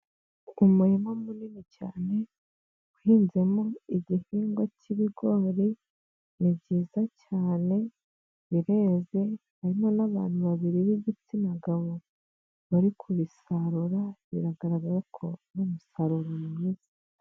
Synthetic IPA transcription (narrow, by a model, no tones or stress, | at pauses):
umuɾimomuninica̰ːne̞ | uhiːnze̞moiɟihiːŋɡwaciβiɡoːɾi | nibɟiːzacaːne̞ | βiɾe̞ːze̞haɾimo̞naβa̰ːn̥huβaβiɾiβiɟit͡sinaɡaβo | βaɾikʰuβisaɾuɾaβḭɾaɡaɾaɡaɾakʰo̞numusaɾuɾumumiːz̥ḁ